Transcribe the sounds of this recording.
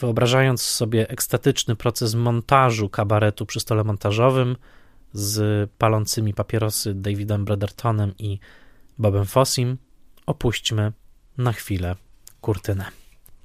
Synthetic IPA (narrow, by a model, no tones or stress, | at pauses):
v̥ɘɔbɾaʐajɔnt̪ssɔbʲjɛʔɛkst̪at̪ɘt͡ʂnɘpɾɔt̪sɛsmɔnt̪aʐukabaɾɛt̪upʂɘst̪ɔlɛmɔnt̪aʐɔvɘm | zpalɔnt̪sɘmʲipapʲɛɾɔsɘd̪ajvʲid̪ɛmbɾad̪ɛɾt̪ʰɔnɛmibɔbɛmfɔsʲimɔpuɕt͡ɕmɘ | naxfʲilɛkuɾt̪ɘnɛ